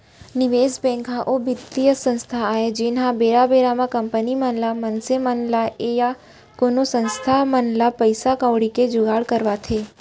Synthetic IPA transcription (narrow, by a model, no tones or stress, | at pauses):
nɪʋesbɛ̃ŋkʰaʔobit̪ːijəsə̃nst̪ʰaaɦed͡ʒenɦãbeɾabeɾamãkəmpənimənlamənsemənlaʔeja | konosə̃nst̪ʰamənlapəjsakə̃ʋɽiked͡ʒʊɡaɭkəɾʋat̪ʰe